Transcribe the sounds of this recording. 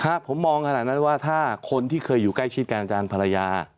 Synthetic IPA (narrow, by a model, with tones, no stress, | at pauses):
kʰa˦˥˩pʰo˩˦mːɔː˧ŋkʰnaː˨˩t̪̚na˦˥˩nwaː˥˩t̪ʰaː˥˩kʰo˧nt̪ʰiː˥˩kʰɤː˧jːuː˨˩kla˥˩jt͡ɕʰi˥˩t̪̚ka˧nʔa˧t͡ɕaː˧npʰa˧a˧jaː˧